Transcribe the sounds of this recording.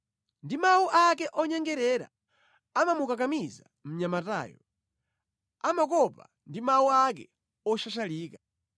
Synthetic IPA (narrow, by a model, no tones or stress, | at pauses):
ndimauʔak̬ɛʔɔɲɛŋɡɛɾɛɾa̰ | amamukak̬amiza | m̩ɲamata̰ːjɔ | amakɔpa̰ | ndimauak̬ɛ | ɔʃaʃaliːkḁ